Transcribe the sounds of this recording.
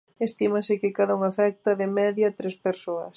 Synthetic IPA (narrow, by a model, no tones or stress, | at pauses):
est̪imɐsɪkɪkaðauŋafɛk̚t̪ɐðɪmɛðjat̪ɾespeɾsoɐ̰s